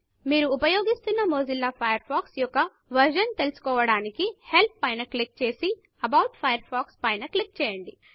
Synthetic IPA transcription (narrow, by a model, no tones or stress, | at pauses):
miːɾuːpɐjoːɡist̪unːɐmoːzilːaːpʰɐjɐɾpʰaːksjɔkːɐ | ʋɐɾʃɐnt̪e̞lusu̥kɔːʋɐɽaːnikihe̞lp̪̚pɐjnɐklik̚t͡ʃe̞ːsi | ɐbɐwʈpʰɐjɐɾpʰaːkspɐjnɐklik̚t͡ʃɛːjɐɳɖi